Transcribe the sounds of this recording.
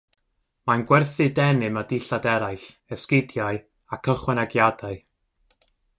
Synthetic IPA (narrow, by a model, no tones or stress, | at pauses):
manɡwɛrθɨdɛnɨmadɪɬadɛɾajɬ | ɛskɪdjaɨ | akʰəχwɛnaɡjadaɨ